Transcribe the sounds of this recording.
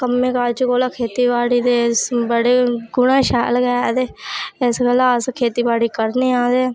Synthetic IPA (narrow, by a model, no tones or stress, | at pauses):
kəmːẽːkaːɾt͡ʃkoːlaːkʰeːt̪iːbaːɽiːd̪eːsbəɽeːɡʊɽãːʃɛ̰ːlɡɛːd̪eːɪsɡəlaːskʰeːt̪iːbaːɽiːkəɾneːaːd̪eː